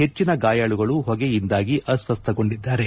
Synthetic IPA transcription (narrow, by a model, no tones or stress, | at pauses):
ɦe̞t͡ʃːinɐɡaːjaːɭuɡɐɭuɦɔɡe̞jind̪aːɡiʔɐsʋɐst̪ʰɐɡo̞ɳɖid̪ːaːɾe̞